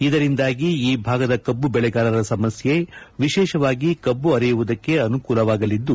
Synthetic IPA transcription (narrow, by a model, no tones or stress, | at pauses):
id̪ɐɾind̪aːɡiiːbʱaːɡɐd̪ɐkɐbːubɛɭɛɡaːlɐɾɐsɐmɐsje̞ʋiʃɛːʃɐʋaːɡikɐbːuɐɾijuʋud̪ɐkːe̞ɐnukuːlɐʋaːɡɐlid̪ːu